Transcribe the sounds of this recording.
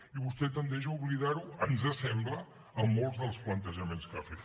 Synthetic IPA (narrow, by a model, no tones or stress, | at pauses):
iβust̪ɛt̪ənd̪ɛʃ̬əuβliðaɾuənzəsɛmblə | əmːolˠzðəlˠsplənt̪əʒəmenskafet̪